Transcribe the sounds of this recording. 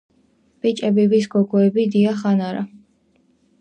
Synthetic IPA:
b̥it͡ʃʼɛbivisɡɔɡɔɛbid̪iaχanaɾa̰

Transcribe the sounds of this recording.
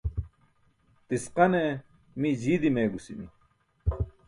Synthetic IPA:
t̪isqɐne | mid͡ʑiːd̪imeːɡusimḭ

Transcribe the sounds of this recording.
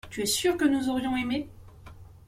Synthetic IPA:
t̪yɛsyʁkənuzɔʁjɔ̃eme

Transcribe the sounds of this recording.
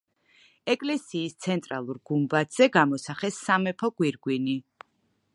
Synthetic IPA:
ɛkʼlɛsiːst̪sʰɛnt̪ʼɾa̰lˠuɾɡ̥umbat̪z̥ɛɡamɔsaχɛsːamɛpʰɔɡ̥wiɾɡwini

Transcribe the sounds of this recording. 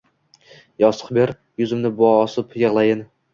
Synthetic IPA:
jɒsə̥qbeɾ | jʊzɪmnɪbɒːsɨpjɨʁlˠajɪn

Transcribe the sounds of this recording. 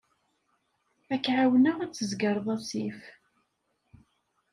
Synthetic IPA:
ækːʕawnəʁæt͡sːəzɡəɾˤðˤɑsif

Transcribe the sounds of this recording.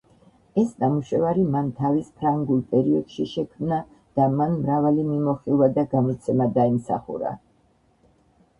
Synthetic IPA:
ɛsnamuʃɛvaɾimant̪ʰavispʰɾaŋɡulˠpʼɛɾiɔd̪̥ʃiʃɛkʰmna | d̪̥amanmɾavalimimɔχilˠvad̪aɡamit̪sʰɛmad̪aimsa̰χṵɾa̰

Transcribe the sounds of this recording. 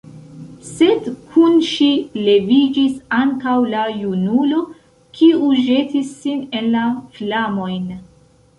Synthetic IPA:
se̞dkʰunʃile̞vid͡ʒisaŋkawlajunulo̞ | kʰiuʒe̞tisːine̞nlaflamo̞jn

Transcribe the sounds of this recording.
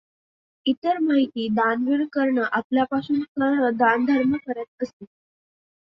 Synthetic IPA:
it̪əɾmaɦit̪iːd̪anʋiɾkəɾɳəʔapljapasuːnkanəd̪and̪ʱəɾməkəɾat̪̚əsi

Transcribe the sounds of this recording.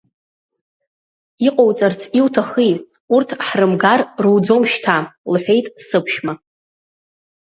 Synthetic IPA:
iqʼowt͡sʼart͡sʰiwtʰaχi | urtʰħrɨmɡarrɨwd͡zo̞mʃtʰalħʷᶣe̞jtʼsɨpʰʃma

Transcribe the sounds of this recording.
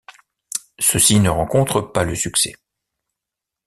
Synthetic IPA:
səsinəʁɑ̃kɔ̃t̪χəpaləsyksɛ̰

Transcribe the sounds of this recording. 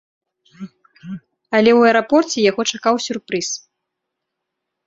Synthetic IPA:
ɐlʲɛwɛɾapɔrt͡sʲɛjaɣɔt͡ʂakawsʲurpɾɨs

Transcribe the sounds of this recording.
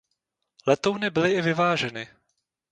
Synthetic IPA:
lɛt̪ownɪbɪlɪʔɪvɪvaːʒɛnɪ

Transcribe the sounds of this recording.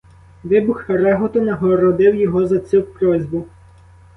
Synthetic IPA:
ʋɪbʊxɾɛɦɔt̪ɔnɐɦɔɾɔd̪ɪwjɔɦɔzɐt͡sʲupɾɔzʲbʊ

